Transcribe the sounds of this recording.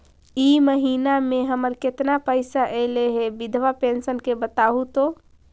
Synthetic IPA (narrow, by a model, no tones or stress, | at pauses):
iməɦinameɦəməɾket̪napəɪsaʔɛleɦebid̪ʱʋapensənkebət̪aɦut̪o